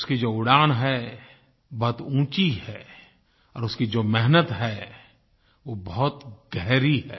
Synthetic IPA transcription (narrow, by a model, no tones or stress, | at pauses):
ʊskid͡ʒoːʊɽaːɽ̃ɦɛ | bɐɦt̪ũːt͡ʃihɛː | ɔːɾʊskid͡ʒoːmɛɦnət̪ɦɛ | ʋobɐɦʊt̪ɡɛɦɾiɦɛː